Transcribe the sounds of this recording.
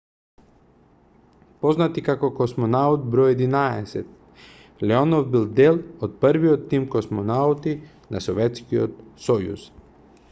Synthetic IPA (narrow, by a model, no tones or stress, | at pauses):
pɔznat̪ikakɔkɔsmɔnaut̪̚bɾɔjɛd̪inaɛ̰sɛt̪̚ | lɛɔnɔvbilˠd̪ɛlˠɔt̪̚pəɾviɔt̪ːimkɔsmonaut̪i | na̰sɔvɛt̪skiɔ̰t̪̚sɔjṵs